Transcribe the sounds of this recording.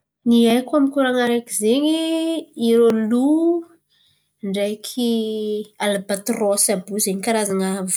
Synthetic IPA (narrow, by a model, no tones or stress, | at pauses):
niajkʷamikuɾaŋaɾekizeɲiiɾolu | ɳɖ͡ʐajkʰi | alabat̪rosabuzeɲikaɾazaŋav